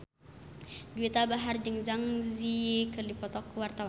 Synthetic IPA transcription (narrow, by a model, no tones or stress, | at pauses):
duit̪abaɦard͡ʒɨŋzaŋzikərlipɔt̪ɔkːwart̪awan